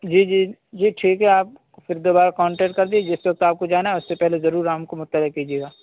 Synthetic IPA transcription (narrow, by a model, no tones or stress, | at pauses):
d͡ʒiːd͡ʒiːd͡ʒiːʈʰiːkɦɛaːp̚ | fɪɾd̪oːbaːɾakɔ̃ːɳʈeːʈkɐɾd̪ied͡ʒɪswɐk̚t̪aːp̚kod͡ʒaːnaɛʊsːepɛɦlezɐɾuːɾaːmkomʊt̪ːəlɪkkiːd͡ʒieːɡaː